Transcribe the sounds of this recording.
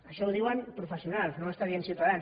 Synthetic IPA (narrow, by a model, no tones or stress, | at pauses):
əʃɔwðiwanpɾufəsiunalsnõməst̪aðjensiuwt̪aðan